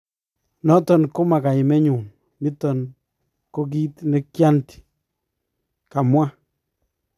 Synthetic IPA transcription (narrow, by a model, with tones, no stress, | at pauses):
nɔ˦tɔ˨nko˦ma˨ka˨ɪ˨mɛ˦ɲu˨n | mɪ˦t̪ɔ˨n | ko˦k̬i˦t̪nɛ˦kja˦nti̥˨ | ka˨mwa˦